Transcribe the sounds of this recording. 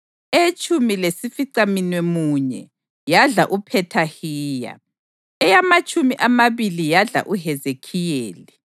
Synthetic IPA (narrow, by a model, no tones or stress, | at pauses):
et͡ʃʼumilesifiǀaminwemuːɲɛ̰ | jaɮa̰ʔupʰɛtʰahiːja̰ | ɛjamat͡ʃʼumiʔamaβilijaɮa̰ʔuɦɛzekʰijeːli